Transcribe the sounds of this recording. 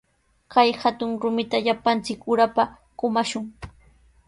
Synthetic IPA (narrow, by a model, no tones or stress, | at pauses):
kajhat̪ʊŋɾʊmɪt̪aʎapant͡sɪkʊɾapa | kʊmaʃʊŋ